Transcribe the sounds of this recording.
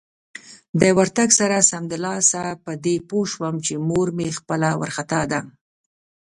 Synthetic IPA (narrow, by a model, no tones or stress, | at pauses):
d̪əwaɾt̪aɡsaɾasamd̪ɪlɑsapəd̪epoʃwəmt͡ʃemoɾmexpəlawa̰ɾxat̪ɑd̪a